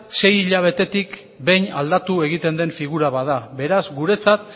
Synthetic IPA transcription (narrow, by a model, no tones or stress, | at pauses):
se̞jiʎaβ̞e̞t̪e̞t̪ik | be̞jɲald̪at̪ue̞ɣ̞it̪e̞nd̪e̞ɱfiɣuɾaβaðabe̞ɾazɡuɾe̞t͡sat̪̚